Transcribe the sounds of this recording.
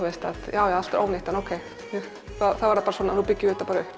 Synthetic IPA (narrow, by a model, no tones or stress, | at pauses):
vest̪aðjaːwjaalt̪ɾo̰ːwnɪht̪ɛnowkʰej | hɛɾ | θaðθaðvaɾðapaːɾsɔːnanupɪcːɪʏːt̪apaɾʏh